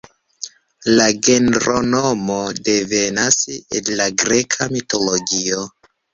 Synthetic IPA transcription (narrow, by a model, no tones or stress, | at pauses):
laɡe̞nɾʔonomo̞de̞ve̞nasḛnlaɡɾe̞kʰamito̞loɡio